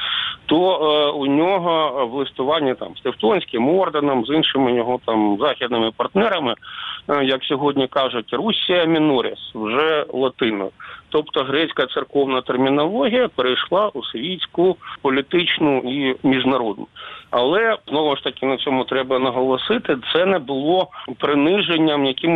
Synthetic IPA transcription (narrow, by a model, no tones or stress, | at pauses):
t̪ɔunʲɔɦɔwlˠɪst̪ʊʋɑnʲːɐt̪ɑ̰mst̪eft̪ɔnʲsʲkʲɪmɔrd̪ɐnɐmzinʃɪmɪjɔɦɔt̪ɑmzɑxʲid̪nɪmɪpɐrt̪nɛɾɐmɪjɐksʲɔɦɔdʲnʲikɑʐʊtʲrusʲːijɐmʲɪnɔɾʲɪ̰swʒɛlˠɐt̪ɪnɔ̰jt̪ɔpt̪ɔɦɾɛt͡sʲkɐt̪sɪrkɔwnɐt̪ermʲinɔlˠɔɦʲijɐpeɾejʃlˠɑʔʊsʋʲitʲt͡sʲkʊpɔlʲit̪ɪt͡ʃnʊimʲiʐnɐɾɔd̪nʊɐlˠɛznɔʋʊʂt̪ɐkʲɪnɐt͡sʲɔmʊt̪ɾɛbɐnɐɦɔlˠɔsɪt̪ɪt̪sɛnɛbʊlˠɔpɾɪnɪʒenʲːɐmjɐkʲɪm